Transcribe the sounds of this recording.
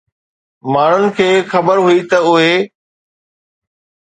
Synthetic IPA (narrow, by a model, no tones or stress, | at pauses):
maːɳ̤ʊnɪ̆kʰeːxɐbəɾɦʊit̪ɐʊɦe